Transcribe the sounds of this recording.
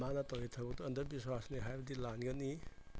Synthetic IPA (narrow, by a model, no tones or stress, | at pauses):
manɐtawitʰɐbɐk̚tɔɐndɐbiswasniɦajbɐdilanɡɐni